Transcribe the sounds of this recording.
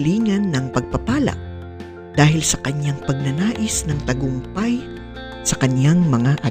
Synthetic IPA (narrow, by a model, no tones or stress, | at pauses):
liːŋɐnːɐŋpɐɡ̚pɐpaːlɐ̰k̚ | d̪̥aːhɪlsɐkɐɲaŋpɐɡ̚nɐnaːʔɪsnɐŋt̪ɐɡʊŋpaj | sɐkɐɲjaŋmɐŋaʔɐ